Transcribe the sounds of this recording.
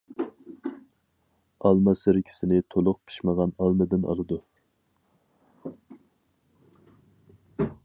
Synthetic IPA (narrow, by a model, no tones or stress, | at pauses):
ɑlˠmɑsɪɾɪkʲʰi̥sɪnɪt̪ʰolˠʊq̚pʰi̥ʃməʁɑnɑlˠmɨd̪ɪnɑ̰lˠɨd̪u